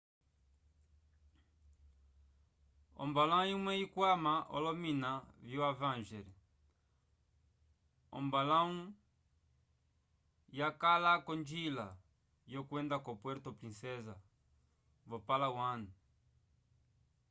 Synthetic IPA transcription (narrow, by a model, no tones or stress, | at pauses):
ɔ̰mbalãũimwɛikwamaʔɔ̰lɔminaviwavãnʒɛɾɛ | ɔ̰mbalãũ | jakalakɔnd͡ʒila | jɔkwɛnd̪akɔpwɛɾt̪opɾĩnsɛza | vɔpalawanu